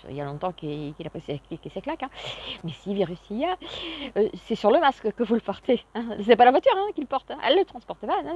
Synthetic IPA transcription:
ḭljalɔ̃t̪ɑ̃kikilapχiskikiseklakɛ̃mɛsiviʁysijaøsɛsyʁləmaskkəvuləpɔʁt̪eɛ̃sət̪ɛpalavwat̪yʁɛ̃kʲilpɔʁt̪ɛɛ̰lːət̪χɑ̃spɔʁt̪panɔ̃

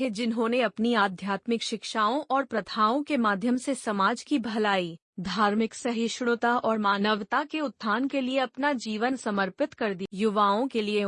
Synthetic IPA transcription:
ɦed͡ʒɪnɦõneɐpniaːd̪ʱjaːt̪mɪkʃɪkʃaːõʔɔːɾpɾɐt̪ʰaːõkemaːd̪ʱjəmsesɐmaːd͡ʒkibʱɐlaːiː | d̪ʱaːɾmɪksɐɦɪʃɽ̃ʊt̪aɔːɾmaːnəʋt̪akeʊt̪ʰːaːnkelieɐpnad͡ʒiːʋənsɐməɾpɪt̪kɐɾd̪ijʊʋaːõkelie

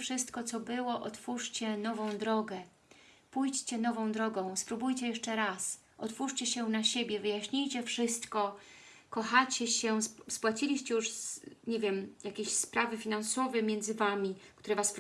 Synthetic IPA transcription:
fʂɘst̪kɔt̪sɔbɘwɔʔɔt̪fuʂt͡ɕɛnɔvɔ̃w̃d̪ɾɔɡɛ | pujt͡ɕt͡ɕɛnɔvɔ̃w̃d̪ɾɔɡɔ̃w̃spɾubujt͡ɕɛjɛʂt͡ʂɛɾas | ʔɔt̪fuʂt͡ɕɛɕɛnaɕebʲjɛvɘjaɕɲijt͡ɕɛfʂɘst̪kɔ | kɔxat͡ɕɛɕɛspwat͡ɕilʲiɕt͡ɕɛjuʂɲevʲjɛmjakʲeɕspɾavɘfʲinansɔvɛmʲjɛnd̪zɘvamʲikt̪uɾɛvas

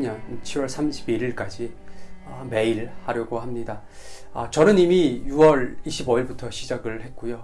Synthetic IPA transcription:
ɲʌnt͡ɕʰiɾwʌɭsʰamɕʰibiɾiɭk͈ad͡ʑiʌme̞iɾhaɾjʌɡoɦamɲida | ʌt͡ɕʌnɯnimijuʌɾiɕʰiboiɭbutʰʌɕʰid͡ʑaɡɯɭhe̞t̚k͈ujo

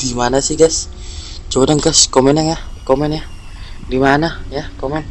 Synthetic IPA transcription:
d̥imanasihɡas | d͡ʒonəŋɡaskomɛnəŋahkomɛnjah | dimanajahkomɛn

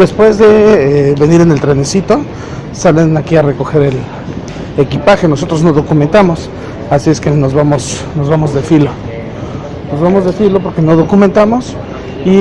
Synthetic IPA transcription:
d̪e̞spwe̞zðe̞βe̞niɾene̞lt̪ɾene̞sit̪o̞ | salenakiare̞ko̞xe̞ɾe̞l | ekipaxe̞nos̬o̞t̪ɾo̞znoðo̞kumẽnt̪amo̞s | asie̞skenozβamo̞s | no̞zβamo̞zðefilo̞ | nozβamo̞zðe̞filo̞p̬o̞ɾke̞no̞ð̞o̞kumẽnt̪amo̞s | i

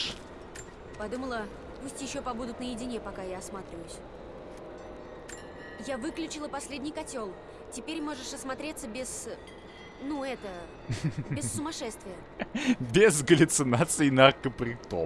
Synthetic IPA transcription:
pɐd̪uməlˠə | pusʲtʲjɪɕːo̞pɐbud̪ʊt̪nəjɪdʲɪnʲepɐkajaɐsmat̪ɾʲɪvəjʊsʲ | javɨklʲʉt͡ɕɪlˠəpɐsʲlʲedʲnʲɪjkɐtʲo̞lˠ | tʲɪpʲeɾʲmo̞ʐɨʂɐsmɐt̪ɾʲet̪səbʲɪz | nuɛt̪ə | bʲɪsːʊmɐʂɛst̪vʲɪjə | bʲɪzɡəlʲʊt̪sɨnat̪sɨɪnɐrkəpɾʲɪt̪o̰

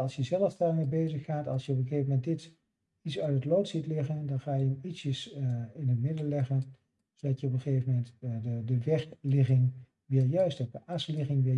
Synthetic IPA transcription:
ɑlˠsjəzɛləfdaːɹmebejzəχːaːtɑ̰lˠsjəɔpəχejvəmɛnt̚dɪt | itsœɥtətlowtsitlɪχəndɑnχaːjəəmitsjəsɪnətmɪdəlɛχən | sodɑtjəɔp̬əχejvəmɛntədəʋɛɹklɪχɪŋ | ʋɪːɹjœɥstɔp̚dəʔaslɪχɪŋʋɪ

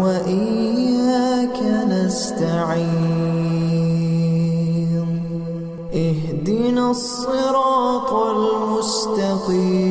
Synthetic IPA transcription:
waʔɪakʰanast̪aʕi | m | ʔɪhd̪ɪnasˤːɨɾɑːt̪lmʊst̪aqiː

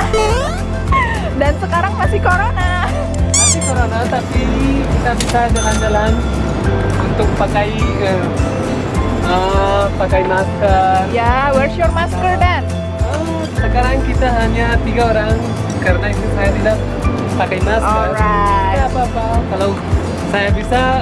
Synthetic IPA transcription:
dansəkaɾaŋmasihkoɾona | masikoɾonat̪api | kit̪abisad͡ʒaland͡ʒalan | unt̪ʊk̚pakaj | ə | ʔəpakajmaskərjawərsurmaskərdan | ə | səkaɾaŋkit̪aɦaɲat̪iɡaoɾaŋ | kaɾənait̪usajat̪idaʔ | pakajmasɔərɾaapapakalaw | sajabisa

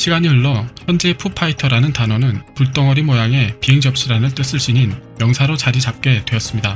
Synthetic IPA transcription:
ɕʰiɡaɲiɯɭːʌçjʌnd͡ʑe̞pʰupʰaitʰʌɾanɯntanʌnɯnpuɭt͈ʌŋʌɾimʌjaŋe̞piɦe̞ŋd͡ʑʌp̚ɕ͈ʰiɾanɯɭt͈ɯs͈ɯɭɕ͈iɲinjʌŋsʰaɾot͡ɕaɾit͡ɕap̚k͈e̞dwe̞ʌs͈ɯmɲida

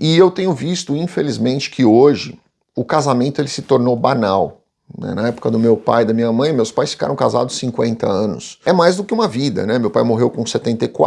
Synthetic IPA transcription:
ɪewt̪ẽɲʊvist̪ʊĩfelizmẽnt͡ʃɪ̥kʰɪoʒɪ̰ | ʊkazamẽnt̪ʊelɪsɪt̪oɾnowbanaw | nɛ̰nɐɛpʊ̥kɐd̪ʊmewpa̰jd̪ɐmĩɲɐmɐ̃j̃mewspajsfi̥ka̰ɾɐ̃w̃kaza̰d̪ʊssĩŋkwẽnt̪ɐ̰ɐ̃nʊ̰sɛmajzd̪ʊkɪũmɐvid̪ɐ̰nɛmewpajmoɦewkõset̪ẽnt̪ejkwa̰

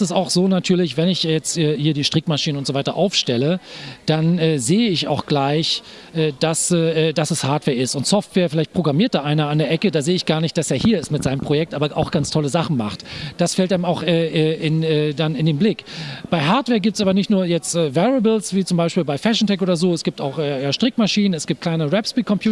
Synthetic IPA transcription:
sɪsa̰ʊxz̥oːnatʰyːɐlɪçvɛnɪçjɛt͡stɛːhiːɐdiːʃtʁ̥ɪkmaʃiːnənʊntz̥ovaɪtɐʔa̰ʊfʃtɛləd̥anɛːzeːəɪça̰ʊxɡ̥laɪçʔɛːd̥asɛːʔɛːdasɛshaɐtv̥ɛːɐɪstʊntsɔftv̥eːɐfɪlaɪçt̚pʁ̥oɡʁamiːɐt̚d̥aːʔaɪnɐandeːɐʔɛkədaːzeːəɪçɡ̥aːɐnɪçtd̥aseːɐhiːɐɪstmɪtz̥aɪnəmpʁ̥ojɛk̚tʔaːbɐʔa̰ʊxɡ̥ant͡stʰɔləzaχn̩ma̰χtd̥asfɛltaɪəmaʊxʔɛːʔɛːɪnɛːdanɪndeːnblɪkb̥aɪɦaɐtv̥ɛːɐɡiːp̚tsaːbɐnɪçtnuːɐjɛt͡stɛːvɛʁəblsv̥iːt͡sʊmbaɪʃpiːlbaɪfɛʃn̩tʰɛkʔoːdɐzoːɛsɡ̥iːptaʊxʔɛːjaːʃtʁ̥ɪkmaʃiːnənɛsɡ̥iːp̚tkl̥aɪnəʁɛpspiːkʰɔmpʰj̥uː

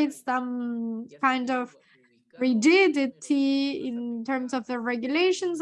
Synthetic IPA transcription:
ɪtsʌ̃mkʰãɪ̃ndɔv | ɹidɪdɪd̚tʰiɪ̃ntʰɜ˞msɔvðəɹɛɡjuleɪʃə̃nz

